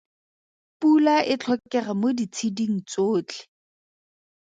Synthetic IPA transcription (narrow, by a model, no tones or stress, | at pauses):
pulaʔɪt͡ɬʰɔkʼɛχamodit͡sʰidiŋ̩t͡soːt͡ɬɪ̥